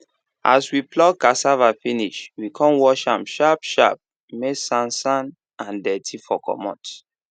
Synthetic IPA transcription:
ʔa̰swiplɔk̚kasavafiniʃwikʰɔ̃nwɔʃãmʃapʃap̚ | mesãnsãn | ãndɛtʰifɔkɔ̰mɔ̰̃t

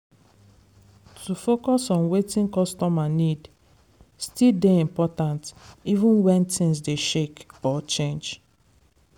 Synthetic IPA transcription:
tʰufokɔsɔ̃nwetĩnkɔstɔmanid | stildeĩmpɔtãntivũnwɛ̃ntʰĩnsdeʃekɔt͡ʃẽnd͡ʒ

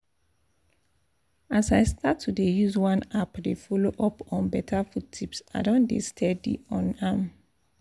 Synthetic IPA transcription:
asaɪstʰatʰːudejuzwãnapdefɔloʔɔpɔ̃nbɛtʰafutʰipsa̰ɪdõndḛstʰɛdḭɔ̃nam

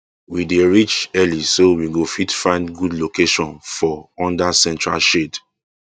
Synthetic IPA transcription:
wideɹit͡ʃɛlisowiɡofitfãɪ̃ndɡudlokeʃɔ̃nfɔɔ̃ndasɛ̃ntɹa̰lʃed

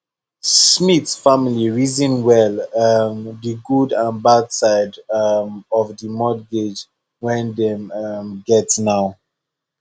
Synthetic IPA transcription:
smiθsfamiliɹizĩnwɛlamdiɡudãnbadsaɪdmɔvdimɔdɡed͡ʒ | wɛ̃ndɛmʌmɡɛtsnaʊ

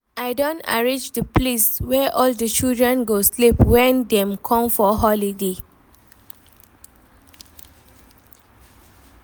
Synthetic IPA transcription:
aɪdõnta̰ɹĩd͡ʒdəpleswɛʔɔldət͡ʃildɹɛ̃nɡoslipwɛ̃ndɛ̃mkʰɔ̃mfɔɦɔlide

